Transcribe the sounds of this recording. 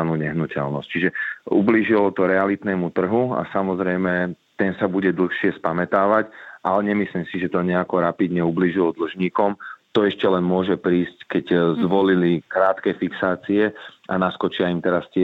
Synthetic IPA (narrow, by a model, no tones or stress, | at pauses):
nuːɲɛɦnucɛ̰lnɔsct͡ʃiʒɛubliːʒilɔt̪ɔɾɛalit̪nɛːmut̪r̩ɦua̰samɔzɾɛjmɛt̪ɛnsabuɟɛd̪l̩xʃɪɛspamɛt̪aːʋacʔalɛɲɛmisliːmsiʒɛt̪ɔɲɛakɔɾapid̪ɲɛubliːʒilɔd̪l̩ʒɲiːkɔmt̪ɔɛʃcɛlɛnmʊɔʒɛpɾiːsckɛɟzʋɔlilikɾaːt̪kɛfiksaːt͡siɛanaskɔt͡ʃɪaimt̪ɛɾastɪɛ